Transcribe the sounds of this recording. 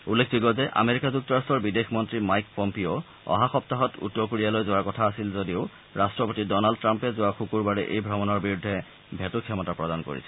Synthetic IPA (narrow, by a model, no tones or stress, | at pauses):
ulːekʰziɡɔzɛʔa̰meɹikazuk̚tɔɹastɔɹbidexʰmɔntɹimajkpɔmpio | ɔ̰ɦaxɔp̚taɦɔtṵtːɔkuɹialojzowaɹkɔtʰaːsilzodiʊ | ɹastɹɔpotidɔnald̚tɹampɛzʊwaxukuɹbaɹɛʔejbʱɔmɔnɔɹbiɹudʱːɛ | bʱɛtukʰːjɔmɔtapɹɔdanko̰ɹḭsɛ